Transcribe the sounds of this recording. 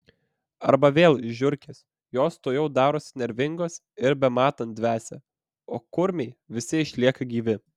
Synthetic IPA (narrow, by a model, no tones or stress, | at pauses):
ɐɾbɐʋʲeːlˠʒʲʊɾʲkʲes | joːst̪oːjɛʊd̪ɑːɾoːsʲnʲɛɾʲʋʲɪŋɡoːs | ɪɾbʲɛmɑːt̪ɐnt̪̚d̪ʲʋʲæːsʲɛ̰ | oːkʊɾʲmʲɛɪʋʲɪsʲɪɪʃʲlʲiɛkɐɡʲiːʋʲɪ